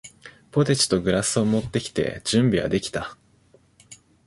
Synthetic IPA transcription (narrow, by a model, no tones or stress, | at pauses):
po̞t̪et͡ɕi̥t̪o̞ɡɯ̟ɾasɨo̞mo̞t̪ːe̞kʲi̥t̪e̞̰d͡ʑɨ̃mbʲiɡa̰d̪e̞kʲi̥t̪a